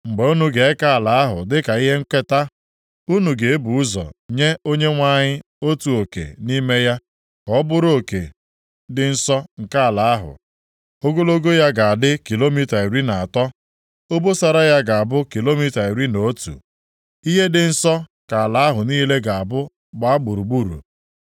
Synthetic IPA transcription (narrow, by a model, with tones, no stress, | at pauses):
ŋ͡m̩˨ɡ͡be˨u˦nu˨ɡe˨e˦ka˦a˨la˨a˦ɦʊ̰˨dɪ˦ka˨i˦ɦe˦ŋ̩˦ke˦ta˦ | u˦nu˨ɡe˨e˦bu˨ʊ˦zɔ̰˨ɲe˦o˦ɲe˦ŋʷa˦ɲɪ˦ | o˦tu˨o˨kḛ˨ni˦me˦ja˦ | kɔ˦bʊ˦ɾo˨kḛ˨ | dɪ˨n̩˦sɔ˦ŋ̩˨ka˦a˨la˨a˦ɦʊ̰˨ | o˦ɡo˦lo˦ɡo˦ja˦ɡa˨a˨dɪ˦ki˨lo˦mi˦ta˨i˨ɾi˦na˨a˨tɔ˦ | o˦bo˦sa˨ɾa˦ja˦ɡa˨a˨bʊ˦ki˨lo˦mi˦ta˨i˨ɾi˦no˨˦tṵ˨ | i˦ɦe˦dɪ˨n̩˦sɔ˦ka˨a˨la˨˦ɦʊ˨niː˦le˦ɡa˨a˨bʊ˦ | ɡ͡ba˦a˦ɡ͡bʊ˨ɾu˨ɡ͡bu˦˨ɾṵ˨